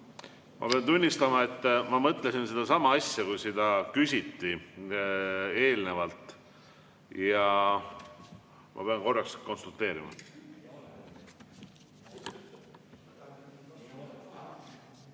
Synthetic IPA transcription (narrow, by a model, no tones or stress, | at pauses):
mʔɑ̰pe̞ɑnt̪unʲːist̪ɑmɑe̞t̪ːmɑmɤt̪ˑlesinsed̪̥ɑsɑmɑɑsʲjɑkujsid̪̥ɑkysʲit̪ːi | e̞ːlne̞vɑlt̪ˑ | jɑ | mʔɑ̰pe̞ɑnko̞rːɑksko̞nsult̪e̞ːɾimɑ̰